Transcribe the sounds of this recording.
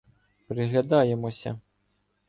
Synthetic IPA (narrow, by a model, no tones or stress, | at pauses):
pɾɪɣlʲad̪ɑjemɔsʲɐ̰